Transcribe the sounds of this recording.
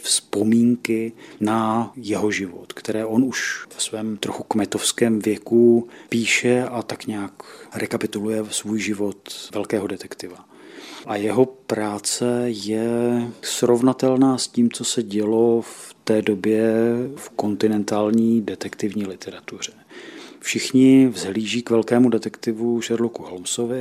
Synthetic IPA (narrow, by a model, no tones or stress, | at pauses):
fspo̞miːŋkɪnajɛɦo̞ʒɪvot̪kt̪ɛɾɛːʔo̞nuʃvɛsvɛːmt̪ɾoxukmɛt̪o̞fskɛːmvjɛkupiːʃɛʔat̪akɲaːkɾɛkapɪt̪ulujɛsvuːjʒɪvo̞t̪vɛlkɛːɦo̞dɛt̪ɛkt̪ɪva | ʔajɛɦo̞pɾaːt͡sɛjɛsɾo̞vnat̪ɛlnaːsciːmt͡so̞sɛɟɛlo̞ft̪ɛːdo̞bjɛfko̞nt̪ɪnɛnt̪aːlɲiːdɛt̪ɛkt̪ɪvɲiːlɪt̪ɛɾat̪ur̝ɛfʃɪxɲɪvzɦliːʒiːkvɛlkɛːmudɛt̪ɛkt̪ɪvuʒɛɾlokuɦolmsovɪ